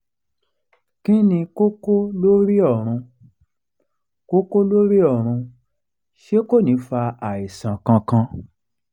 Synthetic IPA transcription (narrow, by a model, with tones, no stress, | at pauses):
ki˦nĩ˧ko˦ko˦lo˦ɾi˦ɔ˦˨ɾ̃ũ˧ | ko˦ko˦lo˦ɾi˦ɔ˦˨ɾ̃ũ˧ | ʃe˦ko˦˨nĩ˨˦fa˧a˨i˨sã˨kã˧kã˧